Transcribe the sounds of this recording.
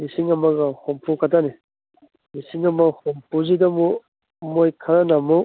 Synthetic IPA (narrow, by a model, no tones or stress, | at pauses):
lisiŋɐmɐɡɐhompʰukʰatani | lisiŋɐmɐhompʰuzidɐmu | mojkʰɐɾanamo